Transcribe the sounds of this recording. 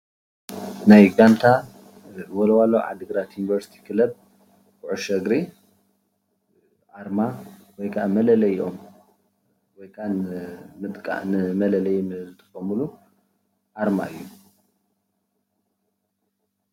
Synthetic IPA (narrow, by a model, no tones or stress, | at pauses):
najɡant̪ʰa | wolɐwaloʕa̰d̪ɨɡɨɾat̪junivɐɾsi̥t̪ʰi̥kʰɨlɐb̚ | kʰuʕʊʃɐɡɾi | ʔaɾmawɔjkʰaʔamɐlɐlɐjʔo̞m | wɔjkʰanmɨt̪ʼkʼa̰nɨmɐlɐlɐjmɨlɨt̪ʰʼɨ̥xɐmulu | ʔaɾma̰ɨjːu